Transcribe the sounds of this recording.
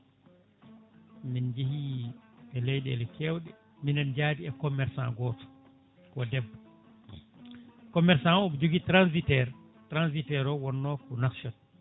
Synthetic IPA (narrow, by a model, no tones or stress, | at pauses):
mind͡ʒehi | ɛlɛjɗɛ̰lɛkʰɛwɗɛ | minɛnd͡ʒadiɛkɔmɛɾsã̰nɡɔːtɔ̥ | kɔdɛbːɔ | kɔmɛɾsãɔbd͡ʒoɡitɾanzitɛɾ | tɾanzitɛɾɔwɔnːɔkɔnakʃɔt